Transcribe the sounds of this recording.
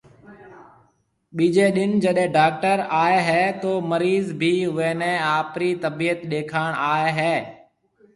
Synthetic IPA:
ɓiːd͡ʒeːɗɪnd͡ʒəɗẽːɖaːk̚ʈəɾaːeɦɛːt̪oːməɾiːzbʱiːʊʋeːnɛ̃ːaːpɾiːt̪əbiːət̪ɗeːkʰaːɳ̃aːeɦɛː

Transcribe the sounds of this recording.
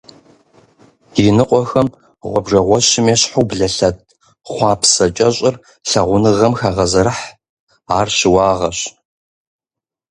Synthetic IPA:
inɨqʷʼɔxɐm | ʁʷɔbʐɐʁʷɔɕɪmeːɕħuːbɮɐɬɐt̚ʰʼ | χʷɑːpʰsɐt͡ʃʼɐɕʼɪr | ɬɐʁʷʊnɨʁɐmxaːʁɐzɐɾɨħ | aːrɕɪwɑːʁɐɕ

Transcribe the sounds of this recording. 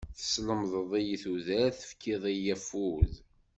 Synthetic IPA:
θə̥sləmðˤəðˤijiθuðæɾθə̥fkʰiðˤijæfuð

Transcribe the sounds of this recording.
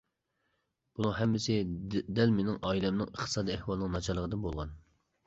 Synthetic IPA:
b̥unɨŋɦɛmːɪsɪd̪ɛlmenɪŋʔɑːilɛmnɪŋəχt̪ʰɨ̥sɑːd̪iɛhwɑlˠnɨŋnɑt͡ʃʰɑɾlˠəʁəd̪ɨnbolˠʁɑn

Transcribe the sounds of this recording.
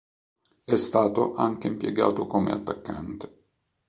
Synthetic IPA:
ɛst̪aːt̪oʔaŋk̟eimpjeɡa̰ːt̪okomḛat̪ːakːant̪e̥

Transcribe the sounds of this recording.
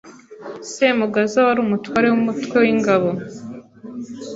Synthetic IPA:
semuɡazawaɾuːmutwaːɾe̞wumutwe̞wiŋɡaβo̞

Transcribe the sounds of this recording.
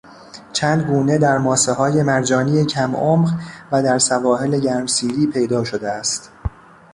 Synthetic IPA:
t͡ʃʰæːnd̪ɡuːne̞d̪æɾmɒːseɦɒːje̞mæɾd͡ʒɒːniːjecʰæmʔoːmɢvæd̪æɾsævɒːɦe̞le̞ɟæɾmsiːɾiːpʰe̞jd̪ɒːʃo̞d̪eæst̪

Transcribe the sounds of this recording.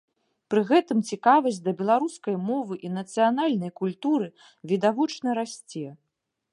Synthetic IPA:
pɾɨɣɛt̪ɨmt͡sʲikavɐsʲd̪ɐbʲɛlˠaɾuskɐjmɔvɨʔinɐt̪sɨjanalʲnɐjkulʲt̪uɾɨ | vʲid̪avɔt͡ʂnɐɾasʲt͡sʲɛ

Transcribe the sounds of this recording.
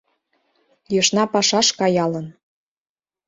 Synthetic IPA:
jɤʃnɑpɑʃɑʃkɑjɑlɤn

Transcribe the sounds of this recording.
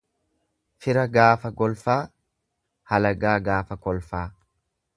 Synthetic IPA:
fɪɾɐɡaːfɐɡɔlfaː | hɐlɐɡaːɡaːfɐkɔlfaː

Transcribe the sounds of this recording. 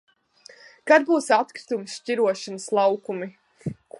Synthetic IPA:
kad̪̚buːsat̪kɾi̥t̪umsʃciɾuɔʃanəslˠawkumi

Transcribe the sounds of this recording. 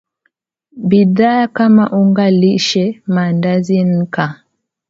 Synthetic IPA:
biðaakama̰ʔuŋɡaliʃɛmandazin̩ka

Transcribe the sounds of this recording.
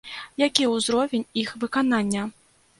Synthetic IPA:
jakʲiwzɾɔvʲenʲixvɨkananʲːɐ

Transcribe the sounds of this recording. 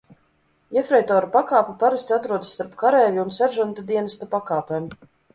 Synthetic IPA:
jefɾɛjt̪ɔːɾupakaːpupaɾast̪ʲiat̪ɾuɔd̪sːt̪aɾpkaɾɛːvʲiunsæɾʒant̪ad̪iɛnast̪apakaːpeːm

